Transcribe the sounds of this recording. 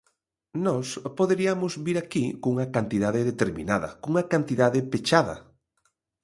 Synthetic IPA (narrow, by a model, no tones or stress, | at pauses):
nɔspoðeɾiamʊzβiɾakikuŋɐkant̪iðaðɪðet̪eɾmḭnaðɐ̰kuŋɐkant̪iðaðɪpet͡ʃaðɐ̰